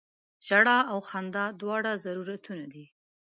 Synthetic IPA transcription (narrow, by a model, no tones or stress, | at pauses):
ʒaɽaawxand̪ɑd̪wɑɽazaɾuɾat̪unad̪i